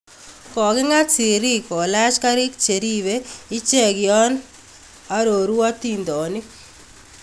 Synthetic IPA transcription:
kɔ˨ɡɪ˦ŋa˦t͡si˨ɾi˦kɔ˨lɛ˦t͡ʃka˦ɾi˦kt͡ʃe˨ɾiβei˦t͡ʃɛ˦ɡjɔ˦n | a˦ɾo˨ɾu˦wa˦tind̪ɔ˨nɪ˦k

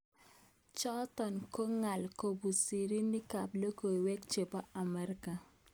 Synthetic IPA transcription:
t͡ʃɔ˦t̪ɔ˨nko˦ŋa˨lko˨bu˨si˨ɾi˦ni˦ka˨plo˦ko˨i˨wɛ˦kt͡ʃe˨pa˦a˨mɛ˦ɾka˨

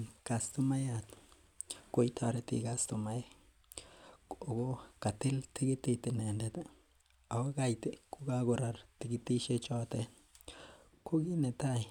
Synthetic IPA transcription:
kast̪u˦ma˦jat̪ | ko˦jt̪ʰaɾe˦t̪ḭɡast̪omaje˦ | o˨ɡo˦ka˨t̪i˦lt̪i˦ɡi˦t̪i˧t̪i˨ne˨ndet̪ | a˨wa˦ɡa˦jt̪e˨ku˦ɡa˦ɡo˨ɾa˨ɾt̪i˨ɡi˦t̪i˦ʃe˦t͡ʃo˦t̪e˦ | ku˦ɡi˦ne˨t̪a˦j

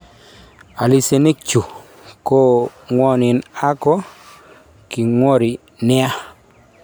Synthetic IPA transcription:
a˨li˦˨se˨ne˦k̚t͡ʃu˨ | ko˦ŋwɔ˦nɪ˨na˦kɔ˦ | ki˨ŋwo˦ɾi˨ | nɪ˦a˦

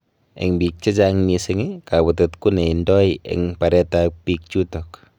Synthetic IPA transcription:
ḛ˨ŋbi˨k̚t͡ʃe˦t͡ʃaŋmi˧seŋɪ˦ka˨βu˨totku˦ne˨i˨ndɔ˦jḛ˨ŋpa˨ɾɛ˦tapi˦k̚t͡ʃu˦tɔk

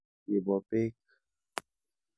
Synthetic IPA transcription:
je˨bɔ˨pe˦k

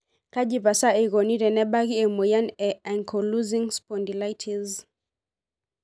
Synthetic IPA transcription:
ka˦ʄi˨pa˨sa˦i˨ɣɔ˨ni˦ɾɛ˨nɛ˦ɓa˦ɣi˦ɛ˨mɔ˨ja˦nɛ˨a˨ŋkʰɔ˨lu˦zi˦ŋspɔ˨ndi˨la˦jtʰi˨z

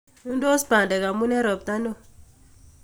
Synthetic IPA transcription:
u˦n˦do˦spa˨nde˨ka˨mu˦nɛ˦ɾɔ˨p̚ta˦no˦˨

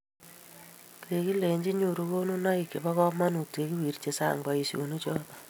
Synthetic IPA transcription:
kɾe˨ki˦le˨ɲd͡ʒi˦ɲu˨ɾu˦ko˦nu˦na˦i˨ke˨ba˦kɔ˦ma˦nu˨te˨ki˦wi˨ɾt͡ʃe˦sa̰˦˨ŋba˨i˨so̰˨nu˦t͡ʃɔ˦tɔ˨

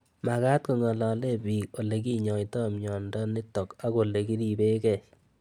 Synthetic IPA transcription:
ma˨ka˦t̚ko˨ŋɔ˨la˨le˦˨biː˨ko˨le˨k̬i˦ɲɔ˨jtɔ˦˨mjɔ˨ndɔ˦ni˦tɔ˨ka˦ko˨le˨ki˦ɾi˦˨be˦kɛ˨

